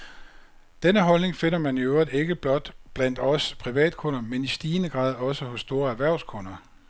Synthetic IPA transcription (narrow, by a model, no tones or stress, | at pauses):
d̥enəɦɒ̽lne̝ŋfe̝n̰ɐmæniøʊɐðe̝ɡ̥əb̥lɒ̽d̥b̥læn̰d̥ɒ̽spʰʁiʋɛ̰ːd̥̚kʰɔ̽nɐmenisd̥iːnəɡ̥ʁɑ̈ːð̞ˠɒ̽səhɔ̽sːd̥o̝ːɐæɐʋæɐ̰ʊskʰɔ̽nɐ